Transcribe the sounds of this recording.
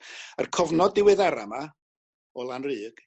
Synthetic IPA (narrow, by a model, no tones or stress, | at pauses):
ərkʰɔvnɔdɪwɨðaɾama | ɔlˠanrɨːɡ̥